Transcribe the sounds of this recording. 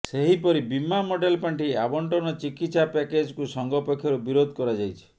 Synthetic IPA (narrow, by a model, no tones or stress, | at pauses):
seɦipɔɾibimamoɖelpaɳʈʰiabɔɳʈɔnɔt͡ʃikit̪sapɛked͡ʒkusɔŋɡɔpekʰjɔɾubiɾod̪ʱkɔɾad͡ʒajt͡ʃʰi̥